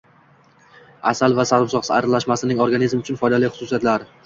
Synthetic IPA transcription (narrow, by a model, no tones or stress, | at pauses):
a̰salˠvasaɾɪmsɒqsɪa̰ɾalaʃmasɪnɪŋoɾɡanizmʊt͡ʃʰʊnfɒjd̪alɪχʊsʊsijat̪laɾ